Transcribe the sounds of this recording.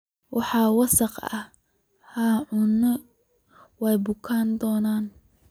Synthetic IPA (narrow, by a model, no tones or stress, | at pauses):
wʔɑħɑːwɑsɐqɐ̰h | haʕʊnːɐ | wɛjbʊkʰaːnd̪ɔːnaːn